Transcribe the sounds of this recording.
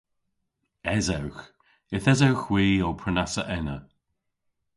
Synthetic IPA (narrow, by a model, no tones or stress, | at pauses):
ɛzawx | ɪθɛzawxwiːowpʰɹənasəʔɛnə